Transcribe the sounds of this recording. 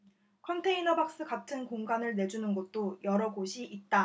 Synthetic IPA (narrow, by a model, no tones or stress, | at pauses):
kʰʌntʰe̞inʌbak̚s͈ɯkatʰɯnkoŋɡanɯɭne̞d͡ʑunɯnɡʌt̚t͈ojʌɾʌɡoɕʰiʔit̚t͈a